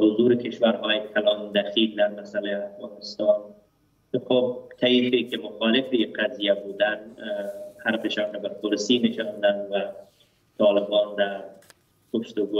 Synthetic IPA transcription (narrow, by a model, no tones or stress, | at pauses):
hʊzuɾɪkɪʃwaɾɦɔjɪkʰalɑnd̪axild̪aɾmasaleafɣɑnɪst̪ɑn | xob̚t̪ʰaifekɪmʊxɑlɪfiqazijabud̪an | haɾfɪʃɔnkabapʊɾsinɪʃɑnd̪anwa | t̪ɑlɪbɔnd̪a | kʊʃt̪ʊɡo